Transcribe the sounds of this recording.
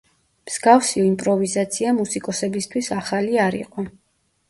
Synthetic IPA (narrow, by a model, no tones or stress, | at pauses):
mz̥ɡafsiɔimpʼɾɔvizat̪sʰiamusikʼɔsɛbist̪ʰwisaχaliaɾḭqʼɔ